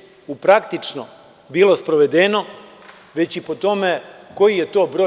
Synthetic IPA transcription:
upɾakt̪it͡ʂno̰ | bilo̞spɾoʋe̞d̪eno̞ | ʋe̞t͡ɕipo̞t̪o̞meko̞jije̞t̪o̞ːbɾo

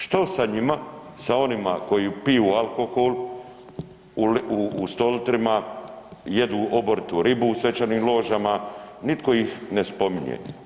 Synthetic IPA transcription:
ʃt̪osaɲima | sao̞nima̰ko̞jipijualkoxol | uluːst̪o̞lt̪ɾima | jed̪uʔo̞boɾit̪uɾibuːsʋe̞t͡ɕaniːmlˠo̞ːʒamanit̪ko̞jixnespo̞miɲḛ

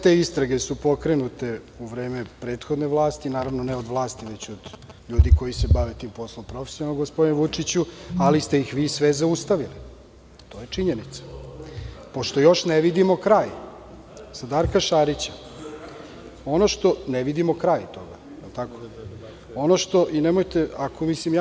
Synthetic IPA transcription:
t̪e̞ist̪ɾaɡesupo̞kɾe̞nut̪e̞ | uʋɾe̞ːmepɾe̞ːt̪xo̞d̪neʋlˠaːst̪inaːɾaʋnoneo̞d̪ʋlˠaːst̪iʋe̞t͡ɕod̪ʎuːd̪iko̞jisebaʋet̪iːmpo̞slˠompɾo̞fe̥sionaloɡospo̞d̪inʋut͡ʂit͡ɕualist̪e̞jixʋiːsʋezaust̪aʋili | t̪o̞ːjet͡ʂiɲenit̪sḁ | po̞ʃt̪o̞jo̞ʃneʋid̪imokɾaːj | sad̪aɾkaʃaɾit͡ɕḁ | o̞noʃt̪o̞neʋid̪imo̞kɾajt̪o̞ɡa̰ | jelˠt̪ako | o̞noʃt̪oʔinemojt̪eakʰomislimja

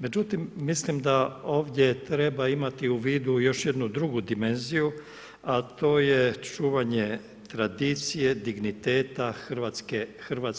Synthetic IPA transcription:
me̞d͡ʑut̪imːislimd̪ao̞ːʋd̪ʲje̞t̪ɾe̞baimat̪iuʋiːd̪ujo̞ʃje̞d̪nud̪ɾuɡud̪ime̞nziju | at̪o̞ːje̞t͡ʃuːʋaɲe | t̪ɾad̪iːt̪sije̞d̪iɡnit̪eːt̪axɾ̩ʋat̪skexɾ̩ʋat̪s

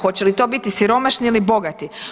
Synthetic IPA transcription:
xo̞t͡ɕelit̪o̞ːbit̪isiɾo̞maʃniilibo̞ɡat̪i

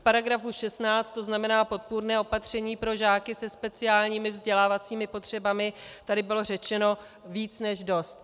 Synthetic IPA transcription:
fpaɾaɡɾafuʃɛst̪naːt͡st̪o̞znamɛnaːpo̞t̪̚puɾnɛːʔo̞pat̪r̝̥ɛɲiːpɾo̞ʒaːkɪsɛspɛt͡sɪaːlɲiːmɪvzɟɛlaːvat͡siːmɪpo̞t̪r̝̥ɛbamɪt̪adɪbɪlo̞rɛt͡ʃɛno̞ | viːt͡snɛʒdo̞st̪

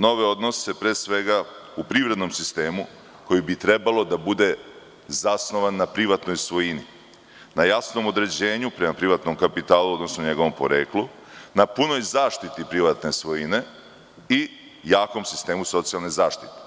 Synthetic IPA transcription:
no̞ʋeo̞d̪no̞se̞pɾeːsʋe̞ɡaupɾiʋɾe̞d̪no̞msist̪e̞ːmu | ko̞jibit̪ɾe̞balo̞d̪abud̪e̞ | zasno̞ʋanːapɾiʋat̪no̞jsʋo̞jini | najasnomo̞d̪ɾe̞d͡ʑe̞ːɲupɾe̞mapɾiʋat̪nomkapit̪aːlˠuo̞d̪no̞snoɲe̞ɡo̞ʋo̞mpo̞̰ɾe̞̰ːklˠu | napuno̞jzaːʃt̪it̪ipɾiʋat̪ne̞sʋo̞jine̞ | i | jaːko̞msist̪e̞ːmuso̞t̪sijalnezaːʃt̪i̥t̪e̥

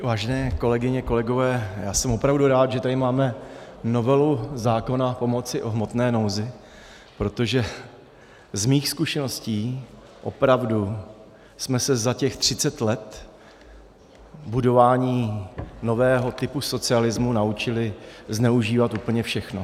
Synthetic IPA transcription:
vaːʒɛnɛːko̞lɛɡɪɲɛko̞lɛɡo̞vɛːjaːsɛmopɾavduɾaːt̪ʒɛt̪adɪmaːmɛno̞vɛluzaːko̞napo̞mo̞t͡sɪʔo̞ɦmo̞t̪nɛːno̞wzɪ | pɾo̞t̪o̞ʒɛ | zmiːxskuʃɛno̞sciː | ʔo̞̰pɾavdu | smɛsɛzacɛxt̪r̝̥ɪt͡sɛt̪lɛt̪ | budo̞vaːɲiːno̞vɛːɦo̞t̪ɪpuso̞t͡sɪalɪzmunaut͡ʃɪlɪznɛuʒiːvat̪ʔuːpl̩ɲɛfʃɛxno

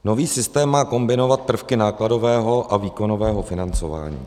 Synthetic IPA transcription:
no̞viːsɪst̪ɛːmːaːko̞mbɪno̞vat̪̚pr̩fkɪnaːklado̞vɛːɦo̞ʔʔaviːko̞no̞vɛːɦo̞fɪnant͡sova̰ːɲḭː

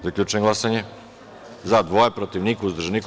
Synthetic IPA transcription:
zakʎʲut͡ʃɛŋɡlˠasaɲɛ | zad̪voɛpɾot̪ivnikuzd̪ɾʒnik

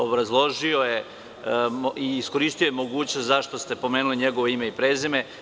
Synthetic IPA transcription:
obɾazlˠo̞ʒio̞je̞ | oiːsko̞ɾiːst̪ijo̞jemo̞ɡuːt͡ɕnost̪zaʃt̪o̞st̪e̞po̞meːnuliɲeɡoʋoime̞ipɾeːzeme

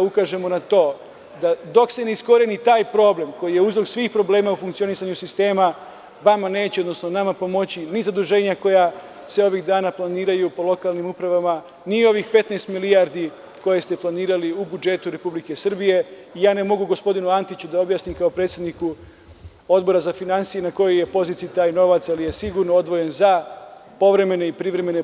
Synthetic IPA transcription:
aukaʒe̞mo̞nat̪o̞ː | d̪ad̪o̞kse̞neisko̞ɾenit̪aːjpɾo̞ːble̞mko̞jije̞uzɾo̞ɡsʋiːxpɾo̞ble̞ːmaufuŋkt̪sio̞nisaɲusist̪e̞ːma | ʋamane̞ːt͡ɕeo̞d̪nosno̞namapo̞mo̞t͡ɕinizad̪uʒe̞ːɲako̞ja | se̞o̞ʋiɣd̪aːnaplˠaniːɾajupo̞lˠo̞kaːlnimupɾaʋama | nio̞ʋixpe̞t̪neːst̪milijaɾd̪i | ko̞jest̪e̞plˠaniːɾaliubud͡ʒe̞t̪uɾe̞publike̞sr̩bije̞ijaːne̞mo̞ɡuɡo̞spo̞d̪inuant̪it͡ɕud̪ao̞bjaːsnimkao̞pɾet̪sjed̪niku | o̞d̪bo̞ɾazafinansijenako̞joje̞po̞zit̪sijut̪aːjno̞ʋat̪salije̞siɡuɾnoo̞d̪ʋo̞je̞nzapo̞ʋɾe̞me̞ne̞ipɾiʋɾe̞me̞ne

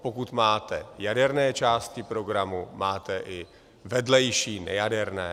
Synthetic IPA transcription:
po̞kut̪maːt̪ɛjadɛɾnɛːt͡ʃaːst̪̚cɪpɾo̞ɡɾamumaːt̪ɛʔɪ | vɛdlɛjʃiːnɛ̰jadɛɾnɛː

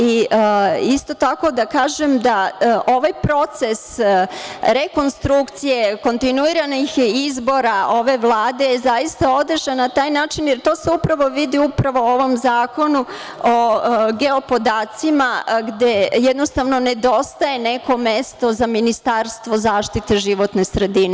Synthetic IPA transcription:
i | ist̪o̞t̪ako̞d̪akaːʒemd̪aʔo̞ʋajpɾo̞t̪se̞s | ɾe̞ko̞nst̪ɾukt̪sijeko̞nt̪inuiɾanixizbo̞ɾaʔo̞ʋe̞ʋlˠaːd̪e̞jezajist̪ao̞d̪r̩ʒanat̪aːjnaːt͡ʃinjeɾt̪o̞se̞upɾaʋo̞ʋid̪iupɾaʋo̞oʋo̞mzaːko̞nu | oɡe̞o̞po̞d̪aːt̪simaɡd̪ejed̪nost̪aʋno̞ned̪o̞st̪aje̞ne̞ko̞mest̪o̞zaminist̪aɾst̪ʋo̞zaːʃt̪it̪eʒiʋo̞t̪ne̞sɾe̞d̪ine

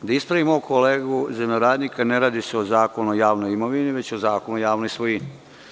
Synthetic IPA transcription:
d̪aispɾaʋimoukʰoleːɡuzemɲoɾaːd̪nikaneɾaːd̪iseozaːkonojaːʋnojimoʋiniʋe̞t͡ɕozaːkonujaːʋnojsʋojini

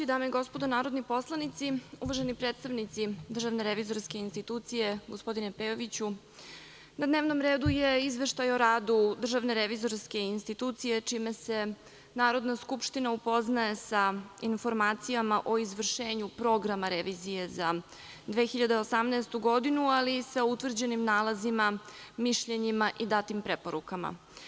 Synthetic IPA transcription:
id̪aːmeiɡo̞spo̞d̪onaːɾo̞d̪nipo̞slˠanit̪siuʋaʒenipɾet̪st̪aʋnit̪sid̪r̩ʒaʋneɾeʋizo̞ɾske̞inst̪it̪ut̪sije̞ɡospo̞d̪inepeːoʋit͡ɕu | nad̪ne̞ːʋno̞mɾeːd̪uje̞izʋe̞ʃt̪ajo̞ɾaːd̪ud̪r̩ʒaʋne̞ɾeʋizo̞ɾske̞inst̪it̪uːt̪sije̞t͡ʃimese̞ | naːɾo̞d̪naskupʃt̪inaupo̞znae̞sainfo̞ɾmaːt̪sijamaʔo̞izʋr̩ʃe̞ːɲupɾo̞ɡɾamaɾeʋizije̞za | d̪ʋe̞xiʎad̪eosamnaːst̪uɡo̞d̪inualisaut̪ʋr̩d͡ʑe̞nimnaːlazimamiʃʎe̞ɲimaʔid̪at̪impɾepo̞ɾukama̰

